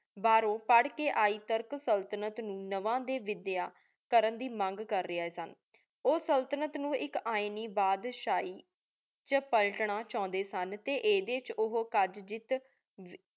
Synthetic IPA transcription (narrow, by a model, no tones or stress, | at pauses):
baːɾõːpəɽkeːʔaːiːt̪əɾksəlt̪ənət̪nũːnəʋãːd̪eːʋɪd̪ɪjaː | kəɾənd̪iːmə̃ŋɡkəɾːɪaːɦɛːsən | oːsəlt̪ənət̪nũːʔɪkaːɪniːbaːd̪ʃaːiː | t͡ʃəpəlʈɳaːt͡ʃɔ̃ːnd̪eːsənt̪eːʔeːd̪eːt͡ʃʊɦoːkəd͡ʒd͡ʒɪt̪